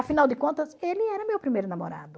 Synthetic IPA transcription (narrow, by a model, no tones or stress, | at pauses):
ɐfinawd̪ɪkõnt̪ɐzelɪɛɾɐmewpɾimejɾʊnamo̰ɾa̰d̪ʊ